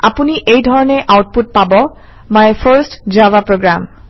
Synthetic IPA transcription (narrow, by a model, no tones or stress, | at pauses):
a̰puniʔejdʱɔɹɔnɛʔawt̚put̚pabɔ | majfʰəɹstd͡ʒavapɹoɡɹam